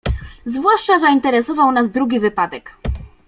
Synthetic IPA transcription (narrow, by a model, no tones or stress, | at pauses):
zvwaʂt͡ʂazaint̪ɛɾɛsɔvawnazd̪ɾuɡʲivɘpad̪ɛk